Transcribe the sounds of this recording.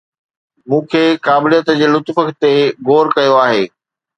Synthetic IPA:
mũːkʰeːkaːbɪlijət̪d͡ʑeːlʊt̪fəkʰt̪eɣoːɾkɐjoaːɦeː

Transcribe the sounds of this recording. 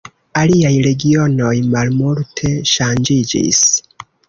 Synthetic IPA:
aliajɾe̞ɡio̞no̞jmalmultʰe̞ʃand͡ʒid͡ʒḭs

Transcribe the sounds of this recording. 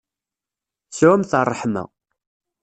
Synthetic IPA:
sʕʊmθərˤːħmæ̰

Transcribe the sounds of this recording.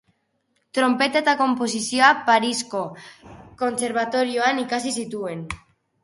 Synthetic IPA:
t̪ɾo̞mpe̞t̪aet̪ako̞mpo̞sisio̞apaɾisko̞ko̞nse̞ɾβ̞at̪o̞ɾioanikasisit̪ue̞n

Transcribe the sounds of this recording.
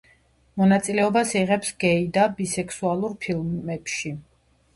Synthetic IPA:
mɔnat̪sʼilɛɔbasiʁɛpsɡɛid̪abisɛkʰsualˠuɾpʰilˠmɛpʃi

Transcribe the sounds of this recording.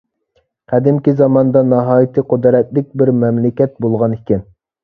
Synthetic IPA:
qʰæd̪ɪmkʲizɑmɑnd̪ɑnɑɦɑːjit̪ʰɨqʰod̪ɾɛt̪̚lɪk̚ʲbɪɾmɛmlɪkʲɛt̪̚bolˠʁɑnikʲɪn

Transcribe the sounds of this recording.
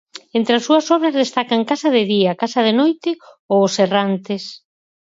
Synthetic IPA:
ent̪ɾeasːuɐsɔβɾɐzðest̪akaŋkasɐðɪðiakasɐðenojt̪ɪ | oʊserant̪es

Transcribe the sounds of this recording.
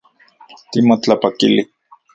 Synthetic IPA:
t̪imot͡ɬapakili

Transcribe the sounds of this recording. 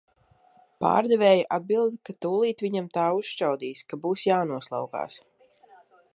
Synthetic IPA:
pa̰ːɾd̪ɛvɛːjaʔad̪̚bilˠd̪ikat̪uːlˠiːt̪ʋiɲamt̪aːuʃʃt͡ʃawd̪iːskabuːsjaːnuɔslˠa̰wɡa̰ːs

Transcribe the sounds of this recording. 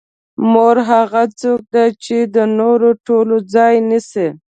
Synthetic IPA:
moɾɦaɣat͡sok̚d̪at͡ʃed̪ənoɾoʈolod͡zɑjnise

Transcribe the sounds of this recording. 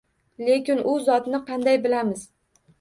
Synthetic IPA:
le̞kʲɪnʊzɒt̪nɪqʰɑnd̪ajbɪlamɪz̥

